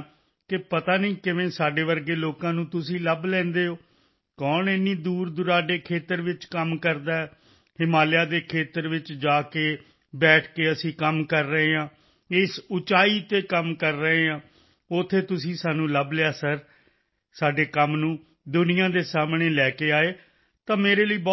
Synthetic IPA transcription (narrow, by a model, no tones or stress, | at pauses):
kɪpət̪aːnəiːkɪʋẽːsaːɖeːʋəɾɡeːloːkãːnũːt̪ʊsĩːləblɛ̃ːnd̪eːɦoː | kɔːnɪnːiːd̪uːɾd̪ʊɾaːɖeːkʰeːt̪əɾʋɪt͡ʃkəmkəɾd̪aːɛː | hɪmaːljaːd̪eːkʰeːt̪əɾʋɪt͡ʃd͡ʒaːkeː | bɛːʈʰkeːəsĩːkəmkəɾːəɦeːãː | ɪsʊt͡ʃaːiːt̪eːkəmkəɾːəɦeːãː | ʊt̪ʰːeːt̪ʊsĩːsaːnũːləblɪjaːsəɾ | saːɖeːkəmnũː | d̪ʊnɪjãːd̪eːsaːmɳeːlɛːkeːaːeː | t̪ãːmeːɾeːləiːbɔː